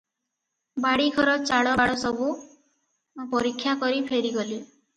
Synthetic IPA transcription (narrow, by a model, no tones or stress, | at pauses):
baɽiɡʱɔɾɔt͡ʃaɽɔaɽɔsɔbʱu | pɔɾikʰːjakɔɾipʰeɾiɡɔli